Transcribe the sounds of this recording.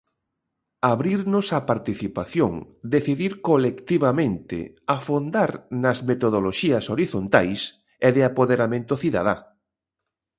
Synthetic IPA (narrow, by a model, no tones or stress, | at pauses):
aβɾiɾnʊsapaɾt̪iθipaθjoŋd̪eθiðiɾkolekt̪iβamẽnt̪ɪ̰ | afond̪aɾnɐzmet̪oð̞oloʃiɐsoɾiθont̪ajs | ɛðɪapoðeɾamẽnt̪oθiða̰ð̞a